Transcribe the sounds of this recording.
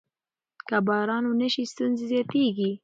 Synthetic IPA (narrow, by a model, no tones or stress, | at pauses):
kabɑɾɑnonəʃist̪unzizjɑt̪eɡi